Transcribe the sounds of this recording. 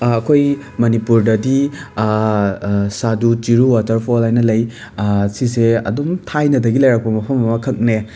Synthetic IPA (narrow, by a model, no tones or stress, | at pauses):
ɐkʰoj | mɐnipuɾdɐdi | sadutiɾuwatɐɾpʰolajnɐlɐj | siseɐ̰doŋtʰajnɐdɐɡilɐjɾak̚pɐmɐpʰɐmɐmɐkʰɐk̚ne